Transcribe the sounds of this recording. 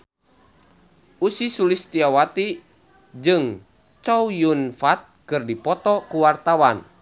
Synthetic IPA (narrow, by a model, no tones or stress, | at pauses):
usisulist̪iawat̪i | d͡ʒɨŋ | t͡ʃɔujunfat̪̚kɨrdipɔt̪ɔkuwart̪awan